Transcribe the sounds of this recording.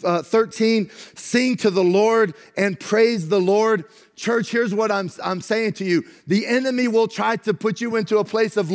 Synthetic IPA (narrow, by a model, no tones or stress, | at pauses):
θɜ˞tʰĩnsɪ̃ŋtʰɨðəlɔɹɾ | ɨ̃npʰɹ̥eɪzðəlɔɹd̚ | t͡ʃʰɜ˞t͡ʃhɪɹzwʌɾãɪ̃mãɪ̃mseɪɪ̃ŋtʰɨjʉðiʔɛnɨmiwɪlˠtʰɹ̥aɪɾɨpʰʊt͡ʃɨɪ̃ntʉəpʰl̥eɪsʌv